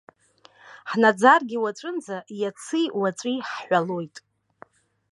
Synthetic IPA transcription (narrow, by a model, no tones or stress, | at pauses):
ħnad͡zarɡʲiwaʈ͡ʂʷʼɨnd͡zajat͡sʰɨwat͡sʷʼiħħʷalojtʼ